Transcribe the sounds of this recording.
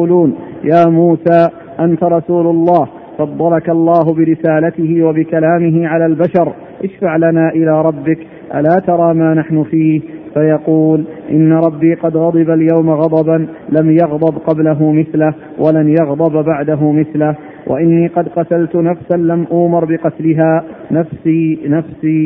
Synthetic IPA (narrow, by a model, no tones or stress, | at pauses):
uːluːnjaːmuːsaː | ʔant̪aɾˤɑsuːlʊlˤːɑːh | fɑd̪ˤːɑlakɑlˤːɑːɦʊbɪɾɪsaːlat̪ɪhɪwabɪkalaːmɪɦɪʕalaːlbaʃɑɾˤ | ʔɪʃfaʕlanaːʔɪlaːɾˤɑbːɪk | ʔa̰laːt̪ɑɾˤɑːmaːnaħnʊfiːhfajɑquːlʔɪ̰nːaɾˤɑbːiːqɑd̪ɣɑd̪ˤɨbaljawmaɣɑd̪ˤɑban | lamjɑɣd̪ˤɑbqɑblaɦʊmɪθlah | wʔalanjɑɣd̪ˤɑbbaʕd̪aɦʊmɪθlah | wʔa̰ʔɪnːiːqɑd̪qɑt̪alt̪ʊnafsanlamʔʊːmɪɾˤbɪqɑt̪lɪɦaːnafsinafsiː